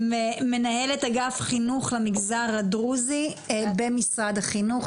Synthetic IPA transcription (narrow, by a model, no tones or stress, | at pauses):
meme̞nahe̞letaɡafχinuχlemiɡzaʁadʁuzibemisʁad̪haχinuχ